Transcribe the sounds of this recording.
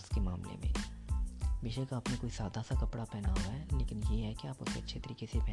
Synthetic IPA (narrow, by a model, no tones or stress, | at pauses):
ʊskema̰ːmlḛmḛ̃ː | ʋɪʃekaaːpnekoːisaːd̪ʱasakɐpɽapɛːnaɦuaɦɛːleːkɪnjeɦɛkiaːpʊseɐtːʃʰet̪ɐɾiːkesepɛː